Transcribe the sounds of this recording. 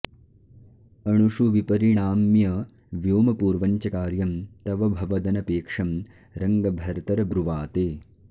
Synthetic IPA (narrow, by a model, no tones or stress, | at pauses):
ɐɳ̃uʃuʋipɐɾiɳaːmjɐ | ʋjoːmɐpuːɾʋɐɲt͡ʃɐkaːɾjɐmt̪ɐʋɐbʱɐʋɐd̪ɐnɐpeːkʂɐm | ɾɐŋɡɐbʱɐɾt̪ɐɾɐbɾuʋaːt̪eː